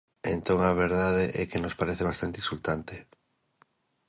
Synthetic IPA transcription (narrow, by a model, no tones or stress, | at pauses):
ent̪õŋaβ̞eɾðaðeʔɛkenospaɾeθeβ̞ast̪ant̪isult̪ant̪e